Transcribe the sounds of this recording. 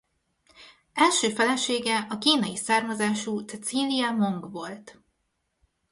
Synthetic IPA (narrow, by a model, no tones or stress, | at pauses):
ɛlʃøːfɛlɛʃeːɡɛʔɒkiːnɒjisaːrmɒzaːʃut̪t͡sɛt̪siːliɛmo̞ŋɡʋo̞lt̪